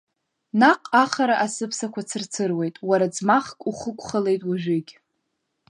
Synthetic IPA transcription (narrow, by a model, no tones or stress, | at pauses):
naqʼaχaɾaʔasɨpʰsakʷat͡sʰɨrt͡sʰɨrwejtʼwaɾad͡zmaχkʼuχəkʷʰʼχale̞jtʼwaʒᶣʷɪɡʲ